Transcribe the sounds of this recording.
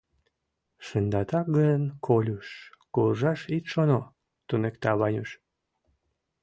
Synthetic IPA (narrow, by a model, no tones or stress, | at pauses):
ʃənd̪ɑt̪ɑk̚ɡəjənkʰolʲuʃkulʒɑʃit̪ʃono | t̪unekt̪ɑβɑnʲyʃ